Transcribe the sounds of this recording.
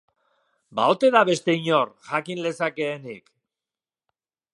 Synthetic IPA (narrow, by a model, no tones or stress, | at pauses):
baot̪e̞ðaβe̞st̪e̞iɲo̞rʝakinle̞sake̞ːnik